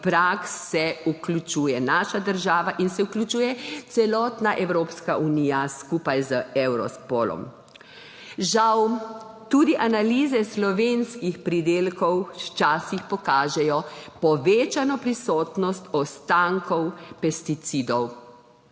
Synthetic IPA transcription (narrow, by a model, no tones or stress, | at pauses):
pɾaːksɛuklut͡ʃuːjɛnaːʃad̪əɾʒaːʋaʔinsɛuklʲut͡ʃuːjɛt̪sɛlɔːt̪naʔɛwɾoːpskaʔuniːjaskupajzəɛwɾɔ̰spɔlɔ̰m | ʒawt̪ud̪iʔanalizɛslɔʋeːnskixpɾid̪eːlkɔwt͡ʃaːsixpɔkaːʒɛjɔpɔʋeːt͡ʃanɔpɾisɔːt̪nɔst̪ɔst̪aŋkɔwpɛst̪it̪sid̪ɔw